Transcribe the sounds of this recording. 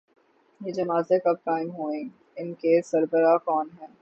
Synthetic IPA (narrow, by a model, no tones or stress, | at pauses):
jeːd͡ʒɐmaːzekɐb̚kaːɪmɦoːẽː | ɪnkesɐɾbəɾakɔːnɦɛː